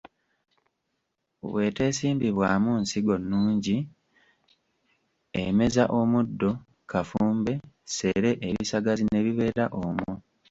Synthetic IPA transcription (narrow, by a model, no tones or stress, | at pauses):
o̰βwe̞ːte̞ːsiːmbiβwaːmunsiɡo̞nːuːɲɟi | eme̞zaʔo̞mudːo̞ | kafuːmbe̞ | se̞ːɾe̞ʔeβisaɡazine̞βiβe̞ːɾaʔomu